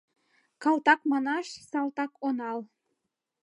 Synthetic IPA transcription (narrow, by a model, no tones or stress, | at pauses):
kɑlt̪ɑkmɑnɑʃsɑlt̪ɑkonɑl